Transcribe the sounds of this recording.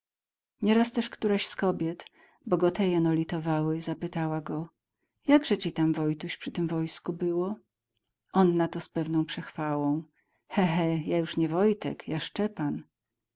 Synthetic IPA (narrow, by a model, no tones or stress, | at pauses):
ɲɛɾast̪ɛʂkt̪uɾaɕskɔbʲjɛt̪ | bɔɡɔt̪ɛjɛnɔlʲit̪ɔvawɘzapɘt̪awaɡɔ | jaɡʐɛt͡ɕit̪amvɔjt̪uɕpʂɘt̪ɘmvɔjskubɘwɔ | ʔɔnːat̪ɔspɛvnɔ̃w̃pʂɛxfawɔ̃w̃ | xɛɦɛjajuʂɲɛvɔjt̪ɛ̰kjaʂt͡ʂɛpan